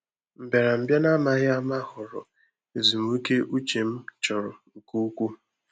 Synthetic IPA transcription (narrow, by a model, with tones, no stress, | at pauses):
m̩˨be˨ɾa˨m̩˨bja˦na˦ma˦ɣɪ˦a˦ma˦ɦʊ˨ɾʊ̰˨ | e˨zu˨mu˨˦i˦ke˦ʔu˦t͡ʃe˨m̩˦t͡ʃɔ˨ɾʊ˨ŋ̩˨ku˦kʷu˦